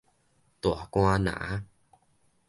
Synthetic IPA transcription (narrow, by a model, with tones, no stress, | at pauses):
t̪u˨a˨kw̃ã˧nã̰˨˦